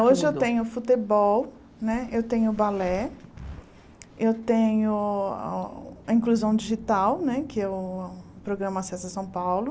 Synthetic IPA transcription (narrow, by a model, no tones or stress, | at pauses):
oʒɪewt̪ẽɲʊfut̪ebɔw | nɛewt̪ẽɲʊbalɛ | ewt̪ẽɲʊ̰ | ɐĩkluzɐ̃w̃d͡ʒiʒit̪awnɛkɪɛʊpɾoɡɾɐ̃mɐsɛzɐsɐ̃w̃pawlʊ